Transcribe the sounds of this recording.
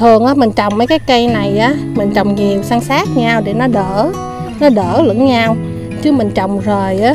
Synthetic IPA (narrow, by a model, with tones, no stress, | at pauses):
t̪ʰɨ˨˩əŋʔaː˨˦m˨˩ŋ̟t͡ɕɔ˨˩wŋ͡mmə˨˦jkaː˨˦jkə˧jna˨˩jʔaː˨˦mï˨˩ŋ̟t͡ɕə˨˩wŋ͡mɲi˨˩əwsaː˧ŋsaː˦˥t̚ɲa˧wɗe˧˩nɔ˨˦ɗəː˧˩˥ | nɔ˨˦ɗəː˧˩lɨ̰˧˥ŋɲa˧w | t͡ɕɨ˨˦mï˨˩ŋ̟t͡ɕə˨˩wŋ͡mzəː˨˩jʔaː˨˦